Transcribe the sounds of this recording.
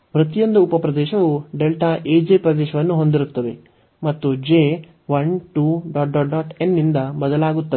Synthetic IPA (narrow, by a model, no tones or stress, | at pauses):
ʋɾɐt̪ijond̪ɐupɐpɾɐd̪ɛːʃɐʋuɖelʈaːʔeːd͡ʒeːpɾɐd̪ɛːʃɐʋɐnːuɦo̞nd̪iɾut̪ːɐʋ̪e̞̰ | mɐt̪ːud͡ʒeː | ʋɐnʈuɖaːʈɖɔːʈɖaːʈenːind̪ɐbɐd̪ɐlaːɡut̪ːɐe